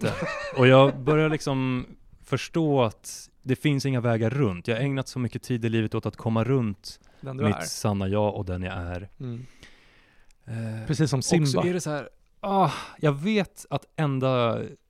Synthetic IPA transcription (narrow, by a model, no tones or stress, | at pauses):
t̪əɔjɑːɡbœɾjaɭɪksɔmfœʂʈoːat̪ | d̪ɛfɪnsɪŋːavɛːɡaɾːɵnt̪jɑːhaɾɛŋnat̪sɔmʏkːət̪ʰiːd̪ɪliːvət̪oːt̪at̪kʰɔmːaɾɵnt̪ | d̪mmɪt̪sanːajɑːʔɔd̪ɛnja̰æɾ | pʰɾɛsiːsːɔmkmsɔæɾɛsɔhæːɾ | ɑːjɑːɡveːt̪at̪ʔɛnd̪a